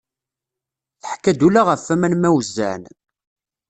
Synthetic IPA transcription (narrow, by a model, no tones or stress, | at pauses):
θəħkːæd̪ulaʁəfːæmænmæwzːæ̰n